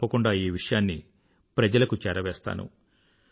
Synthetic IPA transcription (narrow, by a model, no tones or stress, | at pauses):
pːɐkuɳɖaːiːʋiʂɐjaːnːi | pɾɐd͡ʒɐlɐkut͡ʃɛɾɐʋɛːst̪a̰ːnṵ